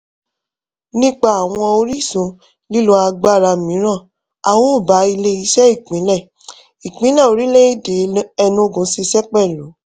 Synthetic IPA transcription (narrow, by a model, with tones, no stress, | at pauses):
nĩ˦k͡pa˦˨a˨w̃ɔ̃˧o˧ɾi˦sũ˨˧ | li˦lo˦a˧ɡ͡ba˦˨ɾa˧mĩ˨˦ɾ̃ã˦˨ | a˨wɔ̃˦o˦˨ba˨˦i˧le˦i˦ʃɛ˦i˦˨k͡pĩ˨˦lɛ˦˨ | i˨k͡pĩ˨˦lɛ˦˨o˨˧ɾi˦le˦i˦˨de˨˦ɛ˧nũ˧˨ɡũ˨˦si˧sɛ˦k͡pɛ˦˨lo˨˦